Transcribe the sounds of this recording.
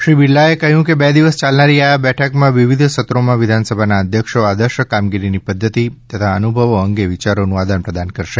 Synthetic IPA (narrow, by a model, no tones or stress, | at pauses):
ʃɾibilːaekəɦjũkebɛd̪iʋəst͡ʃalnaɾiabɛʈʰəkmãʋiʋid̪ʱsət̪ɾomãʋid̪ʱansəbʱanaəd̪ʱjəkʃoad̪əɾʃəkamɡiɾinipəd̪ʱːət̪it̪ət̪ʰaənubʱəʋoəŋɡeʋit͡ʃaɾonũad̪ʱanpɾəd̪ankəɾʃe